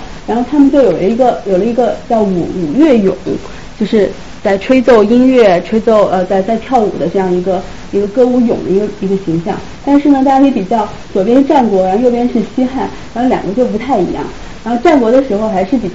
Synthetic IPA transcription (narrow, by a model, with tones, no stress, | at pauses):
ɻa˧˥nxo˥˩ʊt̪ʰa˥mə˨˧nt͡ɕjo˥˩ʊjo˨˩ʊlə˦i˧˥ɡə˧jo˨˩lə˦i˧˥ɡə˧˩t͡ɕjɑ˥˩ʊṵ˨˩u˨˩ɥɛ˥˩jʊ̰˨˩˦ŋ | t͡ɕjo˥˧ʊʂɻ̩˥˧ | t͡sa˥˩ɪʈ͡ʂʰwe˥ɪt͡so˥˧ʊi˥nɥɛ˥˩ʈ͡ʂʰwe˥ɪt͡so˥˧ʊʔə˧t͡sa˥˧ɪt͡sa˥˧ɪt̪ʰjɑ˥˩ʊṵ˨˩d̪ə˦ʈ͡ʂɤ˥˧jɑ˥˩ŋi˧˥ɡə˧ | i˧˥ɡə˧kɤ˥u˧˥˩jʊ̰˨˩ŋd̪ə˦i˧˥ɡə˧i˧˥ɡə˧ɕi˧˥ŋɕjɑ̰˥˧ŋ | t̪a˥˧nʂɻ̩˥˩nə˩t̪a˥˧˩ja˥˩jpi˨˩t͡ɕjɑ˥˩ʊ | t͡swɔ˨˩pjɛ˥nʈ͡ʂa˥˩nkwɔ˧˥ɻa˧˥xjo˥˧ʊpjɛ˥nʂɻ̩˥˩ɕi˥xa˥˩nɻxo˥˩ʊljɑ˨˩ŋkwɔ˧˥t͡ɕjo˥˩ʊp̬u˧˥t̪ʰa˥˩ɪḭ˧˥jɑ̰˥˩ŋ | ɻa˧˥nxo˥˧ʊʈ͡ʂa˥˩nkwɔ˧˥d̪ə˧ʂɻ̩˧˥xo˧ʊxa˧˥ɪʂɻ̩˥˩pi˨˩t͡ɕ